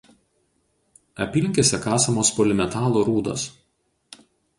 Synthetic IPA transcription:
ɐpʲiːlʲɪŋʲkʲeːsʲɛkɑːsɐmoːspoːlʲɪmʲɛt̪ɑːlˠoɾuːd̪o̰s

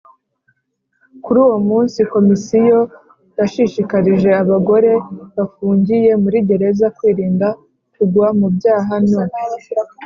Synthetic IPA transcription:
kuɾuːwo̞muːnsiko̞misijo̞ | jaʃiʃikaɾiʒe̞aβaɡo̞ɾe̞βafuːɲɟije̞muɾiɟe̞ɾe̞zakwiːɾiːnda | kuɡuamubjaːɦano

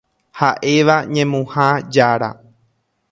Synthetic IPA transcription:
haʔe̞ʋaɲẽmũhad͡ʒaɾa̰

